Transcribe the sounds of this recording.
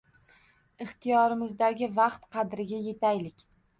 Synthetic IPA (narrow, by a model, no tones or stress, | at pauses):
ɪχt̪ijɒɾɪmɪzd̪aɡʲɪvɑqt̪qʰɑd̪ɾɪɡʲaje̞t̪ʰajlɪkʲ